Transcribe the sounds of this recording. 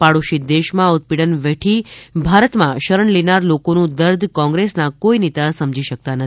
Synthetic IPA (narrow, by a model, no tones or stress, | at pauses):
paɽuʃid̪eʃmãʊt̪̚piɽənʋeʈʰibʱaɾət̪mãʃəɾəɳlinaɾlokonũd̪əɾd̪ʱkɔ̃ŋɡɾesnakoinit̪asəmd͡ʒʱiʃək̚t̪anət̪i